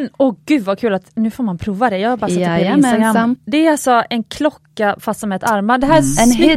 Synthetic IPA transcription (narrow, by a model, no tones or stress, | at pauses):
ɔɡ̥ʉ̟ːd̪vakʰʉ̟ːlat̪nʉ̟ːfoːɾmanpʰɾuːvad̪ɛjɑːhabaɾsɪnt̪aɡɾamd̪ɛæɾalsɔɛnkʰlɔkːafast̪sɔmɛɛt̪aɾmad̪ɛɦæːɾ